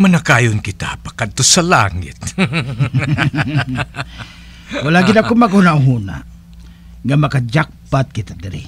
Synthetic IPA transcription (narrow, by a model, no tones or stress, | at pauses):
manakaːjʊnkɪt̪a̰pḁkad̪̚t̪osalaŋɪ̰t̪̚ | walaʔɡɪd̪akomakahunaʔɦuna̰ʔ | ŋamakad͡ʒak̚pat̪̚kɪt̪ad̪ɪɾɪ̰